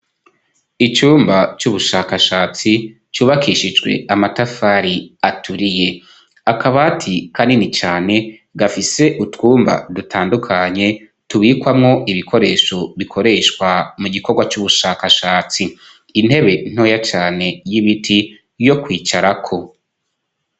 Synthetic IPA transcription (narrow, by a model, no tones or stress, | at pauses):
it͡ʃuːmbat͡ʃuβuʃaːkaʃaːt͡si | t͡ʃuːβakiʃid͡ʒɡwe̞̰amatafaɾiatʰuɾije̞ | akaβatʰikandinit͡ʃaːne̞ | ɡafise̞ʔutwuːmba̰dutʰaːndukʰaɲe̞ | tuβiːkwamŋo̞ʔiβikʰo̞ɾe̞ːʃo̞βikʰo̞ɾe̞ʃkwamuɡiko̞ɾɡwat͡ʃuβuʃakaʃaːt͡siː | n̥he̞βe̞n̥o̞ːjat͡ʃaːne̞jiβitʰi | jo̞kwiːt͡ʃaɾakʰo̞